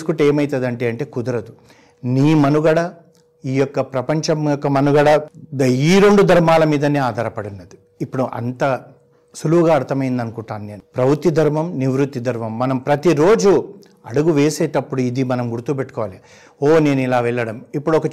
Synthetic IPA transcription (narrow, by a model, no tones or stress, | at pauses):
skuʈeːmɐjt̪ɐd̪ɐɳʈe̞ːɐɳʈe̞ːkud̪ɐɾɐd̪u | niːmɐnuɡɐɽɐ | iːjɔkːɐpɾɐpɐɲt͡ʃɐmjɔkːɐmɐnuɡɐɽɐiːɾo̞ɳɖud̪ʱɐɾmaːlɐmiːd̪ɐniːaːd̪ʱaːɾɐpɐɽunːɐd̪i | ipːuɽuʔɐ̰nt̪ɐ | suluɡaːɐɾt̪ʰɐmɐjind̪ɐnukuɳʈaːnune̞ːnupɾɐʋut̪ːid̪ʱɐɾmɐmniʋɾut̪ːid̪ʱɐɾmɐmːɐnɐmpɾɐt̪iɾo̞ːd͡ʒu | ɐɽuɡuʋeːseːʈɐpːuɽuid̪imɐnɐmɡuɽut̪uːpeʈːu̥kɔːʋaːli | oːne̞ːnuilaːʋɛɭːɐɽɐmipːuɽuɔkɐ